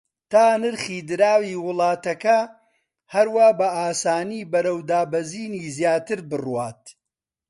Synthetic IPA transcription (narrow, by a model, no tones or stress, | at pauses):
t̪aːnɨɾχiːd̪ɨɾaːwiːwʊlˠɑːt̪ɐkɐ | hɐɾwaːbɐʔaːsaːniːbɐɾɐwd̪aːbɐziːniːzjaːt̪ɨɾbɨrwaːt̪